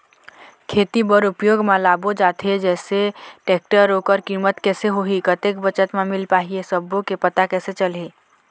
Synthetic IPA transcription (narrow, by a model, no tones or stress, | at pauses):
kʰet̪ibəɾupjoɡmelaːbod͡ʒaːt̪ʰed͡ʒɛːseʈeːk̚ʈəɾoːkəɾkiːmət̪kɛːseɦoɦikət̪ekbət͡ʃət̪mẽmɪlpaːɦiesəbõkepət̪akɛːset͡ʃəlɦi